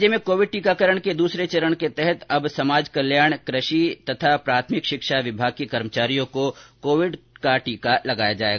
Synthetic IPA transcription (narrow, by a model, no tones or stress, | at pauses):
d͡ʒemẽkoːʋɪɖ̚ʈiːkakəɾəɽ̃ked̪uːsɾet͡ʃɐɾəɽ̃ket̪ɛɦɛt̪ɐbsɐmaːd͡ʒkɐljaːɽ̃kɾəʃit̪ɐt̪ʰapɾaːt̪ʰmɪkʃɪkʃaʋɪbʱaːɡ̚kekɐɾmət͡ʃaːɾijõkokoːʋɪɖkaʈiːkalɐɡaːjad͡ʒaːḛɡ